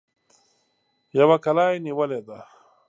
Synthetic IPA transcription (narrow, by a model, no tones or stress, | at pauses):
jawakalaːjniwəled̪a